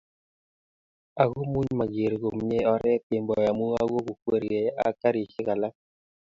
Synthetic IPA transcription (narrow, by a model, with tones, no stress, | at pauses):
a˨ɣo˦mu˦ɲma˨ɡe˨ɾɡo˨mɲe˦ɔ˨ɾɛ˦pe˨mbɔ˨ja˨mu˦a˦ɡo˦ku˨kwe˦ɾi˨e˨a̰˨˦ka˦ɾi˨ʃɪ˦ka˨la˦